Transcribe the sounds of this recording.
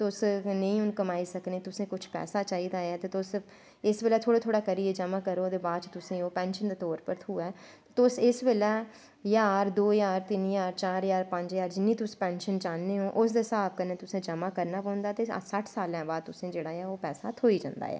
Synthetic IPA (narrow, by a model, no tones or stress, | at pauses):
t̪ʊsnəĩːʊnkəmaːiːsəkneːt̪ʊsẽːkʊt͡ʃʰpɛ̰ːsaːt͡ʃaːiːd̪aːɛːt̪eːt̪ʊs | ɪsʋeːlɛːt̪ʰoːɽeːt̪ʰoːɽaːkəɾieːd͡ʒəmãːkəɾoːd̪eːbaːd̪t͡ʃt̪ʊsẽːoːpɛ̃ːnʃənd̪eːt̪ɔːɾpəɾt̪ʰuːɛː | t̪ʊsɪsʋeːlɛː | jaːɾd̪oːjaːɾt̪ɪnjaːɾt͡ʃaːɾjaːɾpə̃ɲd͡ʒjaːɾd͡ʒɪnːĩːt̪ʊspɛːnʃənt͡ʃãːnːeːɦõːʔʊsd̪eːsaːbkəɾnẽːt̪ʊsẽːd͡ʒəmãːkəɾnaːpə̃ʊnd̪aːt̪ḛːsəʈʰsaːlɛ̃ːbaːd̪̚t̪ʊsẽːd͡ʒeːɽaːɛːoːpɛːsaːt̪ʰoːiːd͡ʒã̰ːnd̪a̰ːɛ̰ː